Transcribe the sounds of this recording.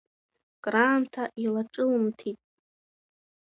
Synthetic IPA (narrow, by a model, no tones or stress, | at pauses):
kʼraːmtʰaʔilaʈ͡ʂʼɨlmtʰitʼ